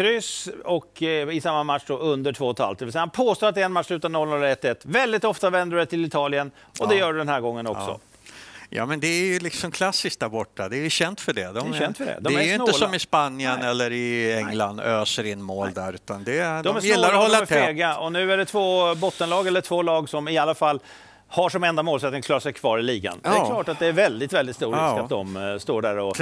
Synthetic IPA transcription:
kʰɾʏsɔkɪsamːamat̪ʂd̪ɔʔɵnd̪əʈʰvoːɔt̪ʰːa̰lft̪̚d̪ɛvɪlsɛjahanpʰoːst̪oːat̪̚ɛɛnmatʂlʉ̟ːt̪anɔlnɔlːɛt̪ːɛt̪ːvɛld̪ɪt̪ɔft̪avɛnd̪əɛt̪ʰɪlɪt̪ʰɑːlɪən | ʔɔd̪ɛjœːɖɵd̪ɛnhæːɾɡɔŋːənɔ̰ksɔ̰ | jɑ̰ːmɛnd̪ɛæɾjɵlɪksɔmkʰlasːɪskt̚d̪æɾbɔʈːad̪ɛːjɵɕɛnt̪fœɖɛd̪ɔɛnt̪fəɖɛ̰d̪ɔɛɛjɵɪnəlsɔmɪspanːjənɛlːəɾɪɛŋland̪øːsəɾɪnːmoːld̪æɾʉ̟ːt̪and̪ɛd̪ɔmæsmjɪlːaɾɔhɔlːaɛeːɡaɔnʉ̟ːæɖɛt̪ʰvoːbɔt̪ːənlɑːɡɛlːəʈ̪ʰvoːlɑːɡsɔmɪalːafalː | haʂɔmɛnd̪amoːlsɛt̪nɪŋkʰlɑːɾaʂɛjkʰvɑːɾɪliːɡa̰nɛkʰllɑːʈat̪̚d̪ɛːɾvɛld̪ɪt̪vɛld̪ɪt̪st̪uːɾɪkːat̪̚d̪ɔmst̪oːɖæːɾɔ

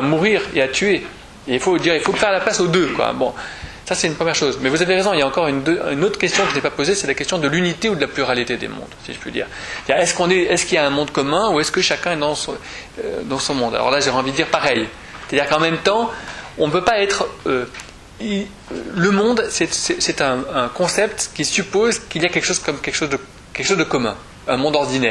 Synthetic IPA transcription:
amuʁiʁeat̪ye | eilfod̪iʁilfofɛʁlaplasod̪økwa̰bɔ̰̃ | sasɛt̪ynpχəmjɛʁʃozmɛvuzaveʁezɔ̃iljaɑ̃kɔʁynd̪øynot̪χkʲɛst̪jɔ̃kəinɛpapozesɛlakʲɛst̪jɔ̃d̪əlynit̪eud̪əlaplyʁalit̪ed̪ḛmɔ̰̃d̪sḭʒəpɥḭd̪ḭːʁd̪iʁɛskɔ̃nɛɛskʲiljaɛ̃mɔ̃d̪kɔmɛ̃uɛskəʃakʲɛ̃ɛd̪ɑ̃s | ø̰d̪ɑ̃sɔ̃mɔ̃d̪a̰lɔ̰ʁlaʒɔʁɛɑ̃vid̪d̪iʁpaʁɛj | sɛ̥t̪ad̪iʁkɑ̃mɛmt̪ɑ̃ɔ̃nəpøpaɛt̪χø | i | ləmɔ̃d̪sɛt̪sɛsɛt̪ɛ̃ːkɔ̃sɛpt̪kʲisypozkiliakʲɛlkəʃozkɔmkʲɛlkə̥ʃozd̪ə | kʲɛlkə̥ʃozd̪əkɔmɛ̰̃ | ɛ̃mɔ̃d̪ɔʁd̪inɛːʁ

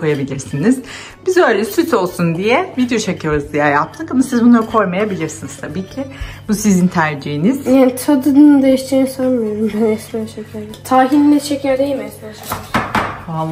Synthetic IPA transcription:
kʰo̞jabilʲiɾsiniz̥ | bizø̞jlʲɛsyt̪ʰo̞lˠsund̪ijɛvid̪ejo̞t͡ʃʰakʰɯjoɾuzd̪ijajap̚t̪ʰɯkamasizbunˠaɾɯkʰo̞jmajabilʲiɾsiniz̥t̪ʰabiːcʰɪbusizint̪ʰæɾd͡ʒiiniz̥jaːnit̪ʰad̪ɯnɯnɯd̪ejiʃt̪ʰiɾinsoɾmɯjoɾumbænɛsænʃecʰæɾd̪ɛt̪ʰaːɦinlʲɛʃʰecʰæɾd̪ejimɛselaʃ | a

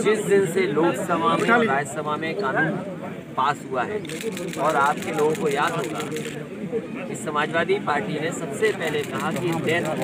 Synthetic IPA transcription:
d͡ʒɪsd̪ɪnseloːksɐmamẽɾaːd͡ʒsɐmamẽkaːnuːn | paːsɦuaɦɛː | ɔːɾaːp̚keloːɡõkojaːd̪ɦoɡa̰ | kisɐmaːd͡ʒʋaːd̪ipaːɾʈinesɐbsepɛɦlekɐɦakiɪ̃d̪eːɾ

